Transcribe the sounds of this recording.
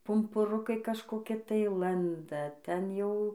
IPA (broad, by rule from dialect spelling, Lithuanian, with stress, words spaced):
pʊmpʊˈrʊkɐɪ kɐʃkoːˈkʲɪ tɐɪ ˈlˠɐndɐ ˈtʲɛn jɛʊ